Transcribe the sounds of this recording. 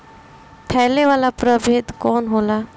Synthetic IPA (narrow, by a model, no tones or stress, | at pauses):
t̪ʰɛːleʋaːlapɾəbʱeːd̪kɔːnɦoːlaː